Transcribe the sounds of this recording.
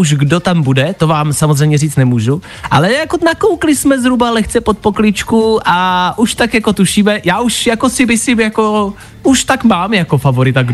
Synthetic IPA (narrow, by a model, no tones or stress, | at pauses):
uʒɡdot̪ambudɛt̪o̞vaːmsamozrɛjmɲɛriːt͡st̪nɛmuːʒu | ʔa̰lɛjako̞nakowklɪsmɛzɦɾubalɛxt͡sɛpo̞t̪̚po̞klɪt͡ʃkuʔaʔuʃt̪akjako̞t̪uʃiːmɛjaːuʃjako̞sɪbɪsɪjako̞ | ʔuʃt̪akmaːmjako̞favo̞ɾɪt̪aɡ